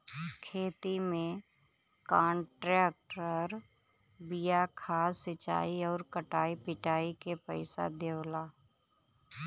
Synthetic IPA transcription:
kʰeːt̪imẽ | kaːɳʈɾɛːk̚ʈəɾ | bɪjakʰaːsɪt͡ʃa̰ːiɔːɾkəʈaːipɪʈaːikepəɪsa̰d̪eːwlaː

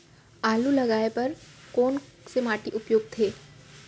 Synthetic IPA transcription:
aːlulɐɡaːepɐɾkɔːnsemaːʈiʔʊpjoːɡ̚t̪ʰeː

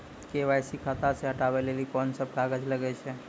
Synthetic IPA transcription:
keʋajsikʰat̪aseɦəʈaʋelelikɔnsəb̚kaɡəd͡ʒləɡɛt͡ʃʰe

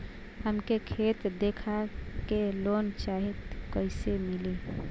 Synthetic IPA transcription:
həmkekʰet̪d̪ekʰakelont͡ʃaɦit̪kəɪsemili

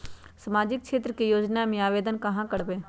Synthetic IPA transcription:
sɐmaːd͡ʒɪk̚kʃeːt̪ɾəkejoːd͡ʒnamẽaːʋeːd̪ənkɐɦãkəɽbẽː

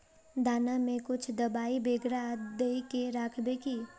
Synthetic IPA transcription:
d̪aːnamẽkʊt͡ʃʰd̪ɐbaːibeːɡɾad̪eikeɾaːkʰbeːki

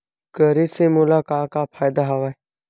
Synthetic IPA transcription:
kəɾiːsẽːmuːlaːkãːkaːpʰaːɪd̪aɦaʋaː

